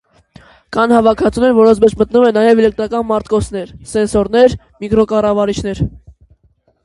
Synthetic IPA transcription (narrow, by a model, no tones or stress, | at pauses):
kɑnhɑvɑkʰɑt͡sʰunɛɾvɔɾɔnt͡sʰmɛt͡ʃʰmət̪numɛnːɑjɛvɛlɛk̚t̪ɾɑkɑnmɑɾt̪kɔsʰn̪ɛɾsɛnsɔɾnɛɾ | mikɾɔkɑrɑvɑɾit͡ʃʰn̪ɛɾ